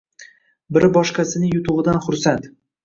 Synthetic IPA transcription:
bɪɾɪbɒʃqasɪnɪjʊt̪ʊʁɨd̪anχʊɾsant̪

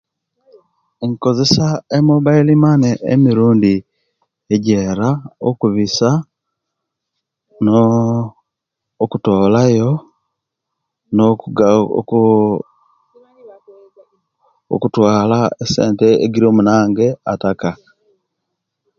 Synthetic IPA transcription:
eŋko̞zesaemuβailimaneḛmiɾuːndi | eɟeɾao̰kuβisa | no | kutoːlajo | nokuɡ | o̰kutwaːlaesḛːnteḛɡiɾiomunaːŋɡeataka

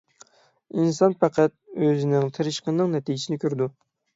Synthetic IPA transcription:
insɑnpʰæqʰæt̪̚øzɪnɪŋt̪ʰeɾɨʃqənːɨŋnɛt̪ʰid͡ʒɪsɪnɪkʲʰøɾd̪u

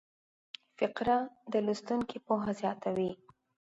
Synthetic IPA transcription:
fɪqɾad̪əlust̪uŋkipoɦazjɑt̪awi

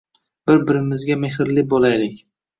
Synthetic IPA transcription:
b̥ɪɾbɪɾɪmɪzɡʲameɦɪɾlɪbɒlajlɪkʲ

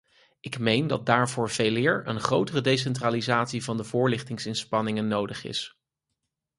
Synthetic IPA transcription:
ʔɪkmejndɑt̚daːɹvʊːɹv̥ejlɪːɹə̰nχrowtərədejs̬ɛntraːlizaːtsivɑndəvʊːɹlɪχtɪŋsɪnspɑnɪŋənːowdəχɪ̰s

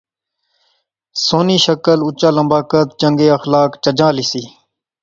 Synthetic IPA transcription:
soːniːʃəkəlʊt͡ʃãːləmbaːkət̪̚t͡ʃəŋɡeːəxlaːkt͡ʃəd͡ʒãːlisiː

